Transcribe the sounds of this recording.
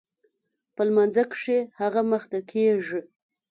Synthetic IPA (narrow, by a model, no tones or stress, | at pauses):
pəlmanzakʂehaɣaməxt̪akʰeʐi